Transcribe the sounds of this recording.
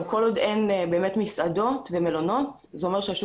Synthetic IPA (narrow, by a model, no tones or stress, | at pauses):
ko̞lod̪enbe̞ːmet̪misʔad̪o̞t̪veme̞lono̞t̪ | zeomeʃeaʃu